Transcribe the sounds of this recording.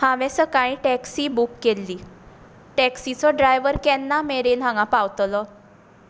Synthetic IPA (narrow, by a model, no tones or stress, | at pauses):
hãʋɛ̃səkaɭ̃ĩʈɛksiːbukːelːiː | ʈɛksit͡sɔɖɾajʋəɾkɛnːameɾenɦãɡãpaʋt̪lɔ